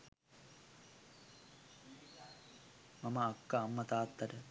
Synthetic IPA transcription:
mɐmɐːkːɐːmːɐt̪aːt̪ːɐɾɐ

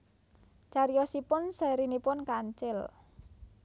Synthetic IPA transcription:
t͡ʃaɾijɔsipʊnsɛɾinipʊnkaɲt͡ʃɪl

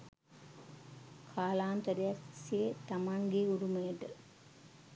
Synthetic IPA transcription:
kʰaːlaːnt̪əɾejaksiet̪amaŋɡeuɾuməjəʈə

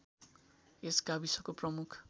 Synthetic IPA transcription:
esɡabisʌkoprʌmukʰ

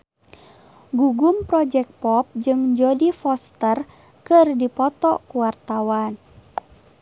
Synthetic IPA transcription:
ɡuɡumpɾɔd͡ʒɛk̚pɔp̚d͡ʒɨŋd͡ʒodifɔst̪ər | kɨrdipɔt̪ɔkuwart̪awan

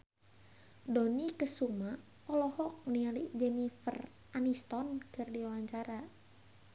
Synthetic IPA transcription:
dɔnikəsuma | ɔlɔhɔk̚nialiʔd͡ʒɛnifər | ʔanist̪ɔnkɨrdiawaɲt͡ʃaɾa

